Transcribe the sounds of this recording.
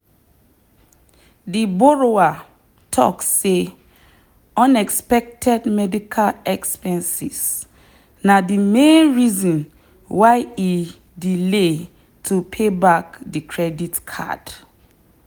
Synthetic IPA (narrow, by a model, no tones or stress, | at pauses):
dibɔɹoa | tʰɔ̰ksːe | ɔ̃nɛkspɛk̚tʰɛdmɛdikʰalɛkspɛ̃nsis | nadimẽnɹizɔ̃n | waɪi | dile | tʰupʰebakdikʰɹɛditkʰa̰d̥